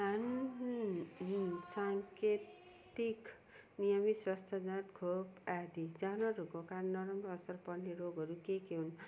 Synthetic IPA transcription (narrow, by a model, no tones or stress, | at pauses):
ani | saŋket̪ | ik | nijʌmiswʌst̪ʰad͡zãt̪kʰobad̪id͡zanʌɾukokaɾnʌɾʌmrʌːsʌrpʌrneɾoɡʱʌɾukekeɦun